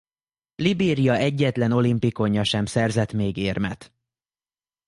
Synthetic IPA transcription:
libeːɾijɒɛɟːɛt̪lɛno̞limpiko̞ɲːɒʃɛmsɛrzɛt̪meːɡeːrmɛt̪

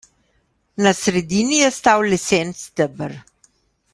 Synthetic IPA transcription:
nasɾɛd̪iːnijɛst̪awlɛsɛnt̪st̪əbəɾ

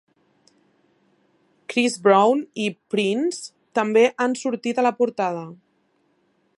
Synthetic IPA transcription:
kɾizbɾawnipɾins | t̪əmbeʔansuɾt̪it̪ələpuɾt̪að̞ə

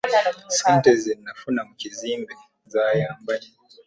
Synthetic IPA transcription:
sɛntɛzinnafunamukizimbɛ | zajamba

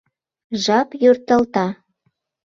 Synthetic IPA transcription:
ʒɑpjørt̪ə̆lt̪ɑ

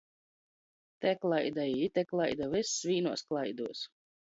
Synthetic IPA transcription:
t̪ɛklˠajd̪aiit̪ʲɛklˠajd̪avɪsvʲiːnuɔsklˠajd̪uɔs

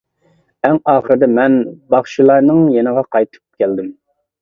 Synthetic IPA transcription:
ɛŋɑːχəɾɨd̪ɨmɛnbɑχʃilˠɑɾnɨŋjenəʁɑqʰɑjt̪ʰɨ̥p̚kʲʰæld̪ɪm

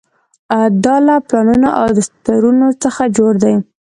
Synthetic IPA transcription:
ad̪ɑlaplɑnunaʔa̰wd̪əst̪aɾunot͡səxad͡ʒoɾd̪aj

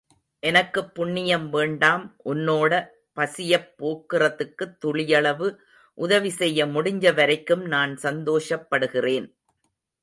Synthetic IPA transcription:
ʔɛnɐkːɯpːʊɳːɪjɐmʋeːɳɖaːmʔʊnːoːɽɐ | pɐsɪjɐpːoːkːɪrɐðɯkːɯt̪ːʊɭɪjɐɭɐʋɯ | ʔʊðɐʋɪsɛjːɐmʊɽɪɲd͡ʒɐʋɐɾɐɪkːɯmnaːnsɐnd̪oːʂɐpːɐɽɯɣɪreːn

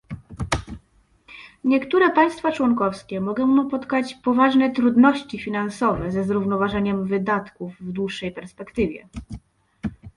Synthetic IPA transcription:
ɲɛkt̪uɾɛpaj̃st̪fat͡ʂwɔŋkɔfskʲɛmɔɡɔ̃w̃mupɔt̪kat͡ɕpɔvaʐnɛt̪ɾud̪nɔɕt͡ɕifʲinansɔvɛzɛzɾuvnɔvaʐɛɲɛmvɘd̪at̪kuvːd̪wuʂːɛjpɛɾspɛkt̪ɘvʲjɛ̰

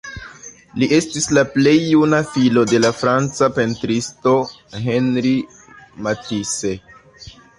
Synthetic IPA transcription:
liʔe̞stislaple̞jːunafilo̞de̞lafɾant͡sape̞ntɾisto̞ | ɦe̞nɾi | matise̞

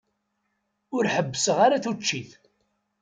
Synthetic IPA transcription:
ʊɾħəbːəsəʁaɾaθut͡ʃːiθ

